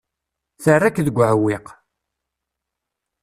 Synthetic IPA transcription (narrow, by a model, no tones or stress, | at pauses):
θərːakːðəɡʷːʕəwːiq